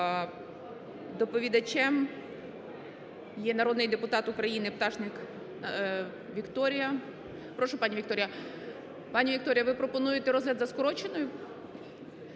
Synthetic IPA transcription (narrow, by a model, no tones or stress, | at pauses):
d̪ɔpɔʋʲid̪ɐt͡ʃʲɛm | jɛnɐɾɔd̪nɪjd̪epʊt̪ɑt̪ʊkɾɐjinɪpt̪ɑʒnɪk | ʋʲikt̪ɔɾʲɪjɐ | pɾɔʃʊpɑnʲiʋʲik̚t̪ɔɾʲjɐ | pɑnʲiʋʲik̚t̪ɔɾʲɪjɐʋɪpɾɔpɔnujɪt̪ɛɾɔzɦlʲɐd̪zɐskɔɾɔt͡ʃenɔjʊ